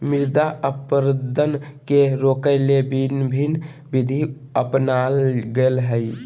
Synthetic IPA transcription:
miɾd̪aʔəpəɾəd̪ʱənkeɾokəɪlebinbʱin | bid̪ʱi | əpnalɡelɦəj

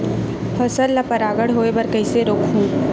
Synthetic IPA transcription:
pʰɐsəlːɐpɐɾaːɡəɽɦoːebɐɾkɐɪseɾoːkʰɦũː

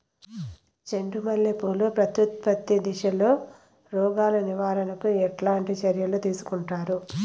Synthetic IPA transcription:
t͡ʃe̞ɳɖumɐljepoːlupɾɐt̪ut̪̚pɐt̪ːid̪iʃɐlo̞ː | ɾɔːɡaːlɐniʋaːɾɐnɐkuɛʈlaːɳʈit͡ʃɐɾjɐloːt̪iːsu̥kuɳʈaːɾu

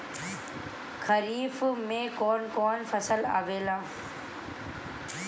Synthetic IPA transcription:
kʰəɾiːfmẽːkɔːnkɔːnfəsəla̰ːʋeːlãː

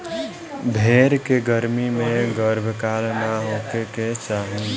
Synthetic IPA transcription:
bʱeɾkeɡəɾmimẽɡəɾbʱkalnaɦokeket͡ʃaɦu

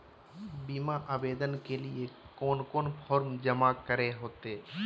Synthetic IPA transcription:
bimaʔaːbeːd̪ənkeliekoːnkoːnpʰɔːɾmd͡ʒəmakəɾeɦoːt̪e

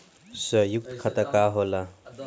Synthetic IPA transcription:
səjuk̚t̪kʰɐt̪akaɦola

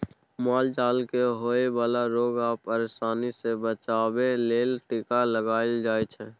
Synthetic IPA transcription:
maːld͡ʒaːlkeɦoːebaːlaɾoːɡaːpəɾesaːnisebət͡ʃaːbeleːlʈikaləɡaːeld͡ʒaːet͡ʃʰɛ̃

